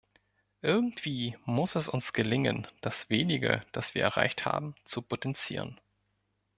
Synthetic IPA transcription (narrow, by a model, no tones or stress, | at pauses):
ʔɪɐɡŋ̩tv̥iːmʊsɛsʊnsɡ̥əlɪŋə̰nd̥asv̥eːnɪɡə̰d̥asv̥iːɐɛ̰ʁ̞a̰ɪçtha̰ːbm̩t͡supʰotɛnt͡sḭːʁ̞ə̰n